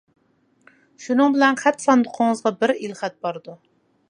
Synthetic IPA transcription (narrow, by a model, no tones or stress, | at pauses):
ʃunɨŋbɪlɛnχæt̪sɑnd̪ʊqʰoɴəzʁɑbɪɾilχæt̪̚bɑɾɨd̪u